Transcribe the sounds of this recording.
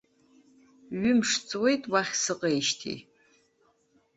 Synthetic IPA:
ɥʏmʂt͡sʼwe̞jtʼwaχʲsɨqʼejʃtʰḭ

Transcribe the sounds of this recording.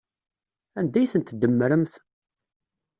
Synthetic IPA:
ænd̪æjθənt̪d̪əmːəɾəmθ

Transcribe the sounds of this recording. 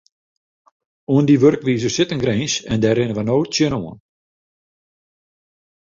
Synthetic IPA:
uəndiʋørkʋiːzəsɪtənɡreːnsɛndɛɾɪnəʋənoːsjənoən

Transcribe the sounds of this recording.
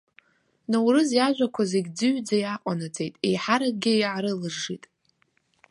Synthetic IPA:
nawrɨzjaʒᶣʷakʷʰazeɡʲd͡zɨɥd͡zajaqʷʼanɨt͡sʼe̞jtʼe̞̰jħaɾak̚ɡʲɪjʕaɾɨlɨʐitʼ

